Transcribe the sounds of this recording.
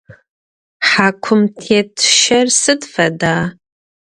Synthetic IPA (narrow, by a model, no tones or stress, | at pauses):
ħakʷʰʊmtʰetʰʃarsɨdfadaː